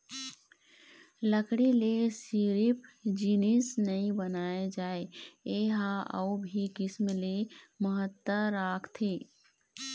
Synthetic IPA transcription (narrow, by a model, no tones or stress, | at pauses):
ləkɽilesiːɾipd͡ʒiːnisnəɦĩbənaːed͡ʒaːeeːɦaə̰ubʱikɪsmleməɦət̪əɾaːkʰt̪ʰeː